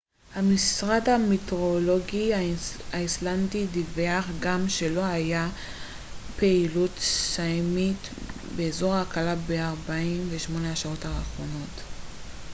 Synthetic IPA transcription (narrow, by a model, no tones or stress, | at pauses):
hamisʁadhamitʁolo̞ɡiaaislandidiveaχɡamʃe̞lo̞haja | peilutsajmit | be̞ːzo̞ʁakalabeaʁbaimveʃmo̞neaʃao̞taχʁo̞no̞t